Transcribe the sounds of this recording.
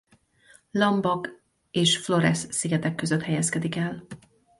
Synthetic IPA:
lɒmbɒk | eːʃflo̞ɾɛsːiɡɛt̪ɛkːø̞zøt̪hɛjɛskɛd̪ikɛl

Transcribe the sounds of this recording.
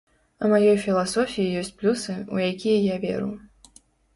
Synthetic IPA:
umajɔjfʲilˠasɔfʲijijɔsʲt͡sʲplʲusɨṵjakʲijɐjavʲɛ̰ɾṵ

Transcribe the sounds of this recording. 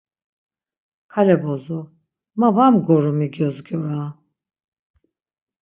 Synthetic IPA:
kʰalɛbɔzɔ | mavamɡɔɾɔmiɡjɔzɡjɔɾa

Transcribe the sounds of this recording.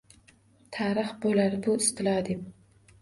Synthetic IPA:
t̪ʰaɾɨχbolaɾbʊɪst̪ɪlɑd̪ɪp

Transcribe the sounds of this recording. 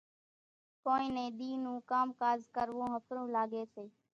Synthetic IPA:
koːĩːnẽːɗ̪iːnũːkaːmkaːzkəɾʋõːɦəpʰɾõːlaːɡeːseː

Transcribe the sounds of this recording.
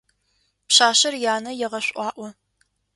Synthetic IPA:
pɕaːʃɐrjaːnɐjɛʁɐɕʷʼʔʼʷɑːʔʷɔ

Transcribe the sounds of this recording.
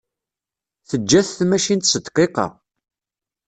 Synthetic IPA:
θəd͡ʒːæθθmæʃint̪sət̪ːqːeqɑ̰

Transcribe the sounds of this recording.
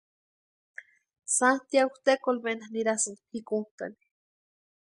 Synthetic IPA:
sant̪ijaut̪ekolbenahniɾasanhikunt̪a̰ni̥

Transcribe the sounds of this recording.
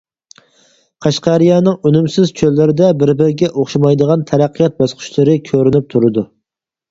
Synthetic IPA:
qʰɑʃqɑɾijɑːnɨŋønymsɪz̥t͡ʃʰølːɪɾɪd̪ɛbɪɾbɪɾɡʲɛʔoχʃɑmɑjd̪əʁɑnt̪ʰɛɾæqʰːijɑt̪̚bɑsqʰʊ̥ʃlˠɨɾɨkʲʰøɾnyp̚t̪ʰuɾɨd̪u

